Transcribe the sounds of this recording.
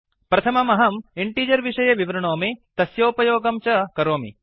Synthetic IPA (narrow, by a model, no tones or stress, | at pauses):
pɾɐt̪ʰɐmɐmɐɦɐmiɳʈiːd͡ʒɐɾʋiʂɐjɐʋiʋɐɾɐɳoːmit̪ɐsjoːpɐjoːɡɐmt͡ʃɐkɐɾoːmḭ